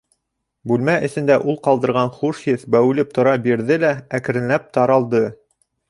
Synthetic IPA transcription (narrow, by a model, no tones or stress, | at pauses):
bʉlmæʔɘ̆θɘ̆nd̪æʔulˠqɑlˠd̪ɤ̆ɾʁɑnχuʃjɘθbæwɘ̆lɘp̚t̪ŏɾɑbiɾðɘlæækɘ̆ɾɘ̆nlæp̚t̪ɑɾɑlˠd̪ɤ